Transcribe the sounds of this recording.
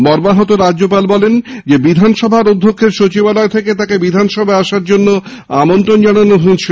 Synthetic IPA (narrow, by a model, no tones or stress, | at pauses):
bɔɾbaɦot̪oɾadːd͡ʑopalbɔlend͡ʑebid̪ʱanʃɔbʱaɾod̪ʱːokʰːeɾʃot͡ɕibalɔet̪ʰeket̪akebid̪ʱanʃɔbʱaaʃaɾd͡ʑonːo | amont̪ɾond͡ʑaɽ̃anoɦot͡ɕʰe